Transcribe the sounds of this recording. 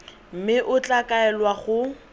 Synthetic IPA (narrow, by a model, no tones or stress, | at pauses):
m̩mɪʔʊt͡ɬʼakʼaɛlwaχʊ